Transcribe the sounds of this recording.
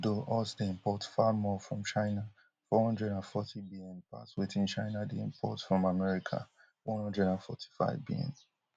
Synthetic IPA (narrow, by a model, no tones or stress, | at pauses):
doʔɔsdiɪ̃mpɔtfamɔfɹɔ̃mt͡ʃaɪna | fɔhɔ̃ndɹɛdãnfɔtʰibiɛ̃mpa̰sweθĩnt͡ʃaɪnadiɪ̰̃mpʰɔ̰tfɹɔ̃mamɛɹikʰa̰ | wɔ̃nhɔ̃ndɹɛdãnfɔ̰tʰi̥fa̰ɪvbḭɛ̰̃m